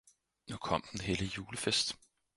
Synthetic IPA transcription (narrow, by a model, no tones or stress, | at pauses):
nukʰɒ̽m̰d̥n̩he̝ləjuːləfesd̥